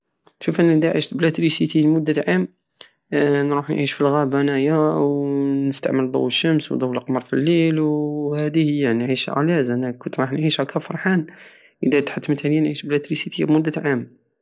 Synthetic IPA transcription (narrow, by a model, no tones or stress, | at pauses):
ʃufʔænæd̪æʕiʃt̪blæt̪ɾisit̪ilmʊd̪ːæʕam | nɾuħnʕiʃfilɣæbænæjawnəst̪a̰ʕməld̪ˤo̰wːəʃːəmswd̪ˤowːəlʔqmɑɾˤfilːilwhæd̪ihəjːaniʕiʃʕæ̰læzʔænækʊnt̪ɾˤɑħnʕiʃhækʰæfɑɾˤħan | ʔəd̪æt̪ħat̪ːmət̪ælijænʕiʃblæt̪ɾisit̪ḭbmʊd̪ːæʕam